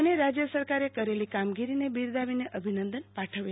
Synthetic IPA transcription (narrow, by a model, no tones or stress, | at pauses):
əneɾad͡ʒjəsəɾkaɾekəɾelikamɡiɾinebiɾd̪aʋineʔʔəbʱinənd̪ənpaʈʰəʋe